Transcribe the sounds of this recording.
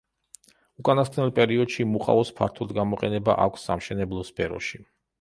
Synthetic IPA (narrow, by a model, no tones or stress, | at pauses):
ukʼanaskʰʼnɛlˠpʼɛɾiɔd̪̥ʃimuqʼa̰ɔspʰa̰ɾt̪ʰɔd̪ɡamɔqʼɛnɛba̰ʔakʷʰsːa̰mʃɛnɛblˠɔspʰɛɾɔ̰ʃi